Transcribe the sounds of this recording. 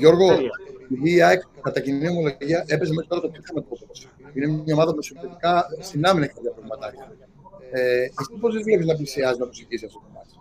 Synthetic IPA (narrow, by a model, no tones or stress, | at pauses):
ʝo̞ɾɣoiðiːɐekɐt̪ɐcinio̞mo̞lo̞ʝiɐʔe̞pe̞semeɾi̥t̪o̞ɾɐt̪op̚çokɐmɐt̪ot̪ot̪ɐs | inemɐomɐðɐpmesot̪et̪ikɐsinɐminɐkk̪ɐp̪jɐpɾɐvmɐt̪ɐce | eɐft̪iposizvle̞piznɐp̬lisiɐziznɐp̪osiθisiɐft̪ot̪imɐs